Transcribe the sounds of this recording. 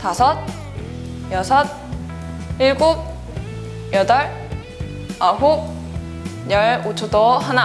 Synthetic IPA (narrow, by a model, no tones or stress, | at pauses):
tasʰʌt̪̚ | jʌsʰʌt̪̚ | iɭɡuk̚ | jʌdʌɭ | aɦuk̚ | ɲʌɭot͡ɕʰodohana